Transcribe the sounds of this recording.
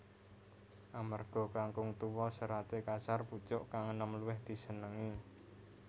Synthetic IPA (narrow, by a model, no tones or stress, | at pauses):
ʔamarɡ̥ɔ̤kaŋkʊŋt̪uwɔsəɾat̪ekasarput͡ʃʊʔkaŋənəmluwɪhd̪̥i̤sənəŋi